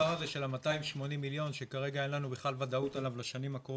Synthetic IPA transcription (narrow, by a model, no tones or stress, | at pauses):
aʁazeʃe̞lamataimʃmo̞nimːiljo̞nʃe̞kaʁe̞ɡajelanubeχlalvad̪autalavlaʃanimakʁo